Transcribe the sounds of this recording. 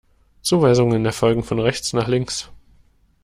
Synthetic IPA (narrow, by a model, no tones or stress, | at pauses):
t͡suːvaɪzʊŋəɪndeːɐfɔlɡŋ̩fɔnʁɛçt͡snaːχlɪŋs